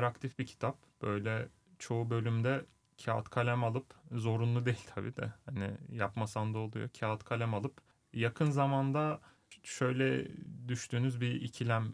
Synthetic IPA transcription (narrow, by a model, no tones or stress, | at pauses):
ɾakt̪ʰifbicʰi̥t̪ʰap̚b̥ø̞jlʲɛ | t͡ʃʰo̞ubø̞lʲymd̪ɛ | cʰaːa̰t̪kʰalʲæmalˠɯpzo̞ɾunlˠud̪e̞jilʲt̪ʰabḭːd̪ɛ̰hanɪ̰japmasand̪aolˠujo̰cʰaːat̪kʰalʲæmalˠɯp | jakʰɯnzamand̪a | ʃø̞jlʲɛd̪yʃt̪yːnyzbiicʰilʲæm